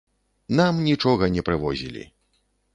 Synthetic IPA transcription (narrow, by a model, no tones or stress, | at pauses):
namnʲit͡ʂɔɣɐnʲɛpɾɨvɔzʲḭlʲḭ